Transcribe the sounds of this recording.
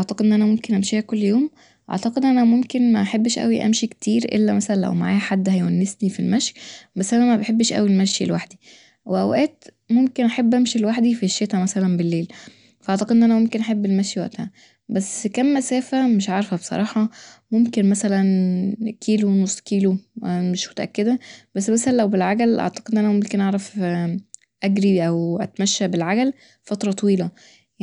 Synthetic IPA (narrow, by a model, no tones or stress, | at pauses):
ʔɑʕt̪ɑqed̪ʔenːʔænæmomkenʔæmʃiːhækolːjoːm | ʔɑ̰ʕt̪ɑqed̪ʔænæmomkenmæʔaħebːʃʔæ̰wiʔæ̰mʃikt̪ʰiːɾʔḛlːæmæsælænlʔwma̰ʕaːhħad̪ːhæjwænːesnifilmæʃjbæsːʔæænænmæbeħebːʃʔæ̰wilmæʃjḭlwaħd̪i | weʔæ̰wʔæːt̪ | momkenʔaħebːʔæmʃilwaħd̪ifiʃːet̪æmæsælænbelːeːl | fʔɑʕt̪ɑqed̪ʔenːʔænæmomkenʔaħebːelmæʃiwæ̰ʔt̪hæ | bæsːkæmːæsæːfæmeʃʕɑɾˤfæbesˤɑ̰ɾˤɑːħɑmomkenmæsælænkʰiːlonosˤːkiːlomeʃmo̥t̪æʔæ̰kːed̪æbæsːmæsælænlæwbelʕaɡælʔɑ̰ʕt̪ɑ̥qed̪enʔænæmomkenʔɑʕɾˤɑf | ʔæɡɾiʔæwʔæ̰t̪mæʃːæbelʕaɡæl | fɑt̪ɾˤɑt̪ˤɑwiːlæ